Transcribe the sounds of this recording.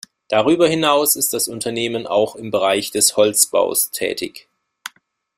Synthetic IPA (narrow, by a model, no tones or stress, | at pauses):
d̥aʁ̞yːbɐhɪnaʊsɪst̚d̥asʊntʰɐneːmənʔa̰ʊxɪmbəʁ̞aɪçd̥ɛshɔlt͡sb̥a̰ʊstʰɛ̰ːtʰɪ̰ç